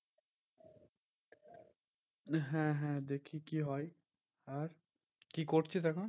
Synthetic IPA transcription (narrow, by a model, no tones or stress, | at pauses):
ɦɛ̃ːɦɛ̃ːd̪eːkʰikiːɦɔːiː | əɾ | kiːkoːʈt͡ʃiːt̪əkãː